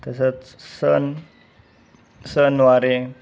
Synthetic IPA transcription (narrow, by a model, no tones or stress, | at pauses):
t̪əs̬ət̪sən | sənwaɾe